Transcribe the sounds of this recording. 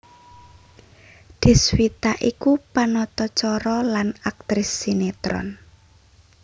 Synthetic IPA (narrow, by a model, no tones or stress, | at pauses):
d̪̥i̤swit̪aʔikupanɔt̪ɔt͡ʃɔɾɔlanak̚t̪ɾɪsːinet̪ɾɔ̰n